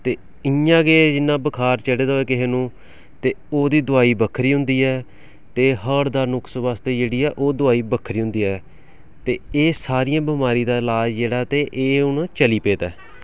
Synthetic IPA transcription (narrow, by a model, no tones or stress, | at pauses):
t̪eː | ɪjãːɡeːd͡ʒɪnːãːbəkʰaːɾt͡ʃəɽeːd̪aːeːkɪɦeːnũː | t̪eːoːd̪iːd̪ʊaːiːbəkʰɾiːɦʊ̃nd̪iːɛː | t̪eːɦəɾd̪aːɾnʊksʋaːst̪eːd͡ʒeːɽiːɛːʔoːd̪ʊaːiːbəkʰɾiːɦʊ̃nd̪iːɛː | t̪eːeːsaːɾiːãːbəmaːɾiːd̪aːɪlaːd͡ʒd͡ʒeːɽaːt̪eːʔeːʊnãːt͡ʃəliːpeːt̪ɛː